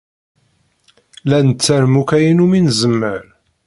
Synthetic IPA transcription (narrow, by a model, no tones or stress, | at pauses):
lænt͡sːæɾmukæjinuminzəmːəɾ